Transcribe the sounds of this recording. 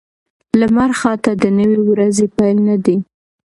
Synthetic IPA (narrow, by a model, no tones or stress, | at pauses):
lamaɾxɑt̪ad̪ənəwiwɾazepajlnad̪i